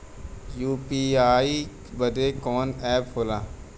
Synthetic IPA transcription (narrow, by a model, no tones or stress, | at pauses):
juːpiːaːi | bəd̪eːkɔːnɛːphoːlaː